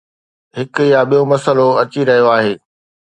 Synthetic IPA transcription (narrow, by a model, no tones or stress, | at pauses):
ɦɪkʊ̆jaɓijomɐsəloɐt͡ɕiɾɐɦijoaːɦeː